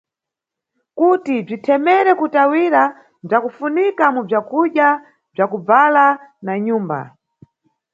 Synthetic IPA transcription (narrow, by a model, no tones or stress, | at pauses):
kutib͡ʐitʰɛmɛɾɛkutawiɾa | b͡ʐakufunikamub͡ʐakuɗja | b͡ʐakub͡valanaɲuːmba̰